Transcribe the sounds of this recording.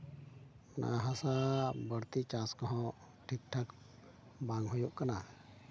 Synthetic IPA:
na̰ɦasabəɾt̪it͡ʃaskɔɦɔ̃ | ʈʰik̚ʈʰak | baŋɦɔjuʔkana

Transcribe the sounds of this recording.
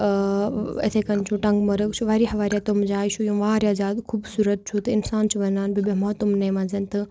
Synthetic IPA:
ɐ̰t̪ʰeːkɐnt͡ʃʰũʈɐ̃ŋɡmɐɾəkt͡ʃʰuʋaːɾiɦɐʋaːɾjaːt̪omd͡ʒaːit͡ʃʰujũʋaːɾʲjaːd͡ʒaːd̪kʰuːbsuːɾɐt̪̚t͡ʃʰut̪ɐɪnsaːnt͡ʃʰuʋɐnaːnbibemoːt̪umnɐĩmɐ̃nzɐnt̪ɨ

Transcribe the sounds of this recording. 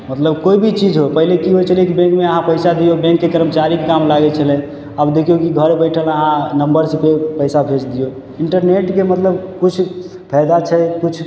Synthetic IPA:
mət̪ləbkoibʱit͡ʃid͡ʒɦopəɦilekiɦojt͡ʃʰəlekibẽŋkmeəɦãpəɪsad̪ijobɛ̃ŋkːekəɾəmt͡ʃaɾikekamlaɡɛt͡ʃʰəlɛ̃ | abd̪ekʰijokiɡʱəɾebəjʈʰələɦãnəmbəɾsepepəjsabʱet͡ʃd̪ijo | iɳʈəɾneʈkemət̪ləbkut͡ʃʰ | pʰɛɪd̪at͡ʃʰəkut͡ʃʰ

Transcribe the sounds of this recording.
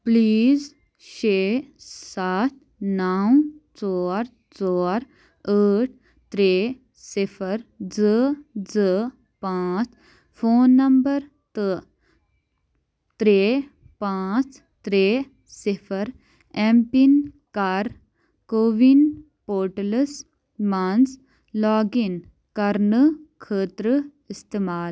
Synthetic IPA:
pliːz | ɕesat̪ | nawt͡sɔɾ | t͡sɔɾ | əʈ̚ʰ | t̪ɾe | sifʰəɾd͡zəd͡zə | pãt͡s | fonːɐmbəɾ | t̪ə | t̪ɾe | pãːt͡s | t̪ɾe | sifʰɐɾ | empin | kaɾ | koʋin | poːɾʈləs | mans | lɔːɡin | kɐɾnəkʰəːt̪ɾə | ist̪eːmaːl

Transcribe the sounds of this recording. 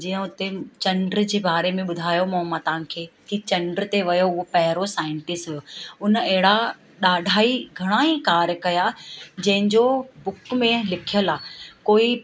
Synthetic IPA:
d͡ʑiːə̃ʊt̪et͡ɕɐ̃ɳɖɾd͡ʑeːbaːɾemẽɓʊd̪ʱaːjomɐ̃mãt̪ãkʰeːt̪ʰit͡ɕɐ̃ɳɖɾt̪eʋɐjoʊɦopɐɦɪɾosaːɪ̃ɳʈɪsʈɦʊjoːʊnɐɦɪɽa | ɗaːɖʱaːiɡʱɐɽ̃aːĩkaːɾjkɐjad͡ʑɐ̃ɦɪ̃ɲd͡ʑobʊkmẽlɪkʰijəlaːkoːi

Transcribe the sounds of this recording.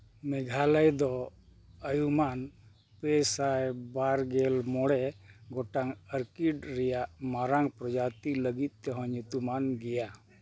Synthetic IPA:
mɛɡʱaləjd̪ɔ | əjuman | pɛsajbaɾɡɛlmɔɽɛɡɔʈaŋəɾkiɖɾɛjaʔmaɾaŋpɾɔd͡ʒat̪iləɡit̪̚t̪ɛɦɔ̃ɲut̪umanɡɛja

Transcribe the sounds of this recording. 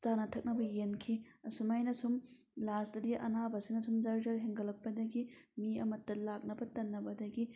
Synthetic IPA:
t͡ʃanɐtʰɐk̚nɐbɐjenkʰiɐsumajnɐsum | lastɐdiʔɐ̰nabɐsinɐsumzɐɾd͡ʒɐɾɦeŋɡɐlɐk̚pːɐdɐɡimiɐmɐtːɐlak̚nɐbɐtɐnːɐbɐdɐɡi

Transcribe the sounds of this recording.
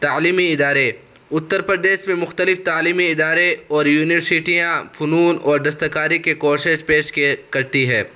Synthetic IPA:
t̪aːliːmiɪd̪aːɾe | ʊt̪ːəɾpɾəd̪eːʃmẽmʊxt̪əlɪft̪aːliːmiɪd̪aːɾeɔːɾjuːnɪʋəɾsɪʈijãfʊnuːnɔːɾd̪ɐs̬t̪əkaːɾikekɔːʃɪʃpeːʃkkɐɾt̪iɦɛː

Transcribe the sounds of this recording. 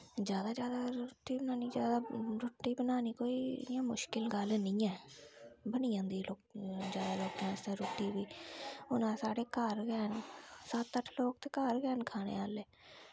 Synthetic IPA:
d͡ʒjaːd̪aːd͡ʒjaːd̪aːɾoʈːiːbənaːniːd͡ʒjaːd̪aːɾʊʈːiːbənaːniːkoːiːjãːmʊʃkɪlɡəlnĩːɛː | bəniːãːd̪iːloːd͡ʒjaːd̪aːloːkãːst̪ẽːɾoːʈːiːbiːʊnãːsaːɽeːkaɾɡɛːnsat̪ːəʈʰloːk̚t̪eːkaːɾɡɛːnkʰaːnḛːaːlɛː

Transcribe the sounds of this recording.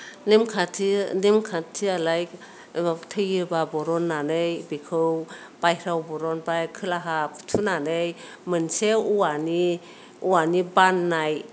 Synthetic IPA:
nemkʰatʰinemkʰatʰialaj | tʰɯjɯbabɔɾɔnːanɯjbikʰɯw | pajɾawbɔɾɔnbajkʰɯlaɦapʰtʰunanɯj | mɯnseuwani | uanibanːaj

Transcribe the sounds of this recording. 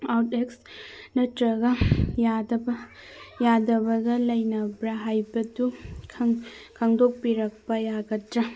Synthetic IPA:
awteks | nɐtɾɐɡɐjadɐbɐ | jadɐbɐɡɐlɐjnɐbɾɐɦajbɐdukʰŋkʰɐŋdok̚piɾɐk̚pɐjaɡɐtɾɐ

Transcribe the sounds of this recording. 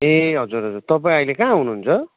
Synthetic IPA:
eɦʌd͡zuɾɦʌd͡zurt̪ʌpaĩʌjlekãɦunuɦːnt͡sʰʌ

